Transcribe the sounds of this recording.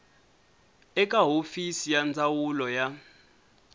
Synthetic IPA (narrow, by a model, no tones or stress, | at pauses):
ɛkʼaɦofisijand͡zawulɔja